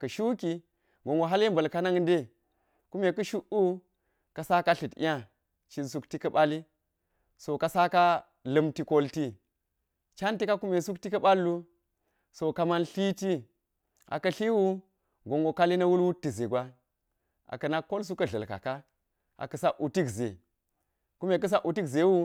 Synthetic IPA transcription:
kɐ˨ʃu˦ki˦ | ɡo˨ŋɡo˨ɦa˦li˦mbɐ˨lka˦na˦ŋ˦nde˦ | ku˦me˨kɐ˦ʃu˦ʔu˦ | ka˨sa˦ka˦ɬi˨tḭ˦ja˦ | t͡ʃi˨nsu˦kti˦kɐ˦ɓa˦li˦ | so˨ka˨sa˦ka˦ | lɐ˦mti˦ko˦lti˦ | t͡ʃa˦nti˦ka˦ku˦me˨su˦kti˦kɐ˦ɓa˦lːu˦ | so˨ka˦ma˦nɬi˦ti˦ | a̰˨kɐ˨ɬi˦wu˦ | ɡo˨ŋɡo˨ka˦li˦nɐ˦wu˦lwu˦tːi˨ze˨ɡʷa˦ | ʔa̰˨kɐ˨na˦kːo˦ls̬u˦kɐ˦ɮɐ̰˨lka̰˨ka˦ | ʔa̰˨kɐ˨sa˦ʔu˨ti˦kzḛ˨ | ku˦me˨k̬ɐ˦s̬a˦ʔu˨ti˦kze˨˦wu˦

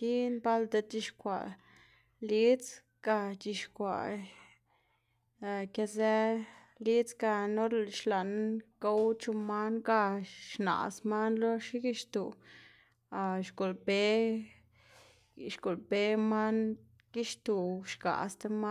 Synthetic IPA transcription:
i˦nba˦ld̪a˧t̪i˧ʃkʷa̰˨ | li˦t͡s | ɡ̥a˧t͡ʃi˧ʃkʷa̰˨ | a˧ke˧ze˦ | li˦t͡sɡa˧no˦ɾʃla˨nɡa˦wt͡ʃu˧ma˦nɡa˧ʃna̰˨sma˦nlo˦ʃi˦ɡi˦ʃt̪u˨ | a˧˨ʃɡo˨lbe˦ | ʃɡo˨lbe˧˦ma˦n | ɡ̥i˦ʃt̪u˨ʃɡa̰˨st̪a˧˦ma˦

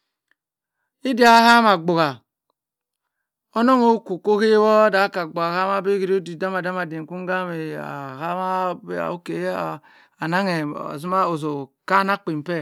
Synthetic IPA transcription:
i˦di˦a˨˦ha˦ma˨ɡ͡bu˨ɣa˨ | o˦no˦ŋo˦ku˨ko˦ke˦wɔ˦da˦ka˨ɡ͡bu˨a˨ha˦ma˦be˦ki˨ɾi˦o˦di˨da˦ma˨da˦ma˨di˨ŋ˨ku˦ŋ˦ɡa˦me˨a̰˨ha˦ma˦ba̰˨o˦ke˨˦a˨ | a˨na˦ŋe˨a̰˨zu˦ma˦o˨zo˨ka˦na˦k͡pi˨m˨pɛ˦˨

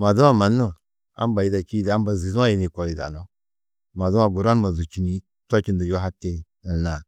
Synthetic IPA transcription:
ma˨du˦a˨ma˨nːo˦˨ | a̰˦m˦ba˨ji˦da˨ki˦da˦mba˨zi˨zu˦a˦ji˨ni˨ko˨li˨da̰˨no˦ | ma˨zu˦a˨ɡu˨ɾa˦n˦ma˨zu˨t͡ʃi˨ni˨˦ | tʷa˦ki˨ndə˨jo˦ɦa˦tːe˦ | ə˨na˨

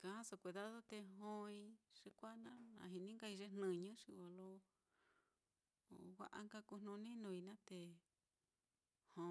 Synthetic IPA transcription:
kã˧˨ã˦so˧kʷi˧ða˦ðo˦t̪e˧ɦõ˦˧ĩ˧ʂi˧kʷa˦nã˦ã̰˧˨ɦi˧nĩ˦ŋka˦˧i˧ʐe˦nnɨ̃˦˧ɲũ˦ʂi˧wa˧lo˦˨ | wa̰˧ʔa̰˧ŋka˦ku˧nũ˧nĩ˦nũ˧i˧nã˦t̪e˧ | hõ˧

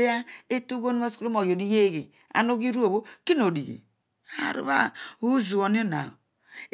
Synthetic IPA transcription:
e˦a˦e˦tu˦ɡo˦nu˦a˦sklo˦mo˨jo˨ni˦je˦ɣe˨ | a̰˨no˦ɡi˦ɾu˦o˨βo˦ki˦n˨o˨di˨ɡḛ˨ | a˦˨ɾṵ˦βa̰˦˨u˦zu˨o˨ni˦o˦na̰˨

